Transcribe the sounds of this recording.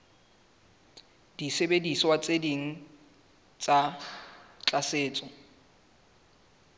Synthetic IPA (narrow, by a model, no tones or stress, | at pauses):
d̥isebedisɔwat͡sʼediŋ̩ | t͡sʼa | t͡ɬʼaseːt͡sʼɔ